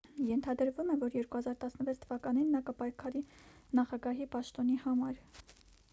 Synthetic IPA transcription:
jɛnt̪ʰɑd̪əɾvumɛvɔɾjɛɾkuhɑzɑɾt̪ɑsnəvɛt͡sʰt̪ʰəvɑkɑninːɑkəpɑjkʰɑɾinɑχɑɡɑɦipɑʃt̪ɔn̪ihɑmɑɾ

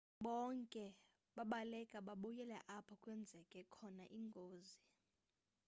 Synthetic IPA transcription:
ɓɔŋkʼɛ | ɓaɓalɛkʼaɓaɓujɛlɛ̰ʔapʰɔkʼwɛnd͡zʱɛkʼɛkʰɔnaʔiŋɡʱoːzi

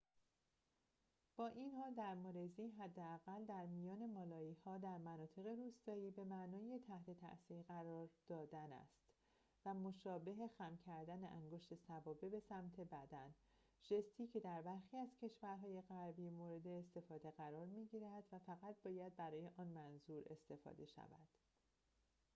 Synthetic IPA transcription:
b̥ɒːʔinhɒːld̪æɾmoɾe̞ziːɦæd̪ːeæɣæld̪æɾmijɒːne̞mɒːlɒːiːhɒːd̪æɾmænɒːt̪ʰe̞ɣe̞ɾuːst̪ɒːiːbe̞mæʔnɒːje̞t̪ʰæht̪e̞t̪ʰæ̰ʔsiːɾɣæɾɒːɾd̪̥ɒːd̪ænæ̰st̪ | væmoʃɒːbe̞ɦe̞xæmcʰæɾd̪æneʔæŋɡo̞ʃt̪e̞sævɒːbe̞be̞sæmt̪ʰe̞bæd̪æn | ʒ̥e̞st̪ʰiːcʰe̞d̪æɾbæɾxiːæzcʰe̞ʃvæɾɦɒːje̞ɣæɾbiːmoːɾe̞d̪e̞ːst̪e̞fɒːd̪e̞ɣæɾɒːɾmiːɟiːɾæd̪̥væfæɣæt̪̚bɒːjæd̪̚bæɾɒːje̞ʔɒːnmænzuːɾe̞̰st̪e̞fɒ̰ːd̪e̞ʃæ̰væ̰d̪̥

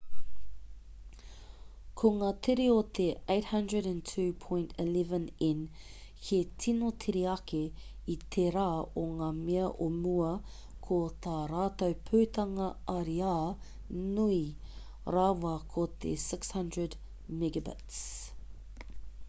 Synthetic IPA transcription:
kʰoŋaːt̪ʰeɾiot̪ʰeejt̚hɐ̃ndɹəɾæ̃ntʰʉːpʰõj̃ntʰilɛvə̃nɪn | hʰetʰinotʰeɾeɐke | it̪ʰeɾaːoŋaːmeɐʔomuɐ | kʰot̪aːɾaːt̪owpʰʉːt̪ɐŋɐɐɾiaː | nui | ɾaːwɐkʰot̪ʰḛsɪkshɐ̃ndɹəd | mɪɡəbɪ̰ts

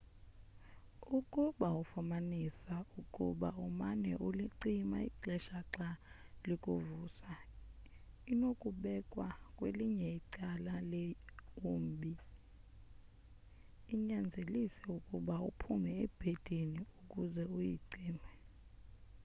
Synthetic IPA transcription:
ukʼuɓaufumanisaukʼṵɓaumanɛʔuliǀimaḭǀɛʃaǁalikʼuvuːsa | inokʼuɓɛkʼwakʼweliɲɛiǀalaleum̩ɓʱi | iɲand͡zʱelisɛukʼuɓaupʰumɛeb̥ʱed̥ʱiniukʼuzɛujiǀiːmɛ

